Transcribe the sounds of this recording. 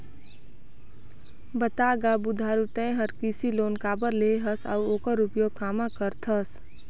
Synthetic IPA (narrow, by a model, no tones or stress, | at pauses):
bət̪aɡabud̪ʱaːɾut̪ɛ̃ẽɦəɾkisiloːnkaːbəɾleɦəsa̰uoːkəɾupjoːɡ̚kaːmakəɾt̪ʰəs